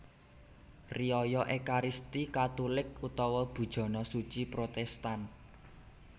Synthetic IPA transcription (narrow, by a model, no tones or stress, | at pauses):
riɔjɔʔekaɾist̪ikat̪ulɪk̚ut̪ɔwɔb̥ṳd̥ʒ̥ɔ̤nɔsut͡ʃipɾot̪ɛst̪an